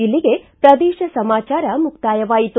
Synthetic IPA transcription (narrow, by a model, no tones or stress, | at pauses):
ilːiɡe̞pɾɐd̪iːʃɐsɐmaːt͡ʃaːɾɐmukt̪aːjɐʋaːjit̪u